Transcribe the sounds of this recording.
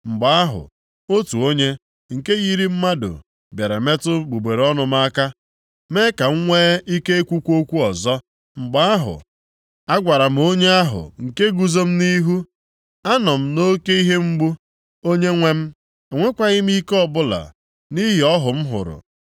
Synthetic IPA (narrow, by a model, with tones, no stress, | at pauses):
ŋ͡m̩˨ɡ͡ba˨a˦ɦʊ̰˨ | o˦tu˨o˦ɲe˦ | ŋ̩˨ke˦ɣi˦ɾi˦m̩˦ma˦dʊ̰˨ | be˨ɾe˨me˦tʊ˦ɡ͡bu˨ɡ͡be˨ɾɔ˦nʊ˨m̩˦a˦ka˦ | me˦ka˨ŋ̩˦ŋʷeː˦i˦ke˦e˦kʷu˦kʷu˦o˦kʷu˦ɔ˨zɔ˦ | ŋ͡m̩˨ɡ͡ba˦a˦ɦʊ̰˨ | a˦ɡʷa˨ɾa˨m̩˦o˦ɲe˦a˦ɦʊ̰˨ŋ̩˨ke˦ɡu˨zo˦m̩˦ni˦ɦu˦ | a˦nɔ˨m̩˦no˦ke˦i˦ɦe˦m̩˦ɡ͡bu˦ | o˦ɲe˦ŋʷe˦m̩˦ | e˨ŋʷe˦kʷa˦ɣɪ˦m̩˦i˦kɔ˦bʊ˦la̰˨ | ni˦ɦi˨ɔ˦ɦʊ˨m̩˦ɦʊ̰˨ɾʊ̰˨